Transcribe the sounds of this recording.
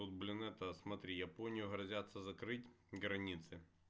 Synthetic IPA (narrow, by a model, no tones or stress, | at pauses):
ot̪̚blʲɪnɛt̪ɐsmɐt̪ɾʲijɐponʲɪjʊɦɾɐzʲat̪sːɐzɐkɾɪtʲ | ɣɾɐnʲit̪sɨ